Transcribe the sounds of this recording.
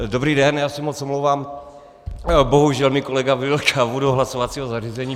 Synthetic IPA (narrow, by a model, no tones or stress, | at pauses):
dobɾiːdɛnjaːsɛmot͡somlowvaːm | boɦuʒɛlmiːjkolɛɡavillt͡ʃavudoɦlasovat͡siːɦozariːzɛɲiː